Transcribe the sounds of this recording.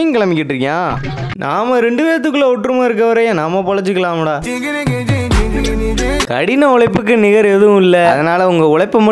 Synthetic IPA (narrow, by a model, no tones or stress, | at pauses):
ŋkɐɭɐmɪkːɪʈːɾɯŋɡaː | nʔaːmɐɾɛɳɖɯʋeːɾɐt̪̬ːɯkːɯlːɐɔʈːɾɯmaːɪɾɯk̬ːɐʋɐɾɐjẽːnamːɐpɔɻɐt͡ʃːɯkːɐlaːmɐɽaː | kɐ̰ɽɪnɐɔɭɐɪpːɯk̬ːɯnɪɣɐɾɛðɯʋʊ̃ɪlːɐɐðɐnaːlɐʊŋɡɐʊɭɐɪpːɯmɐ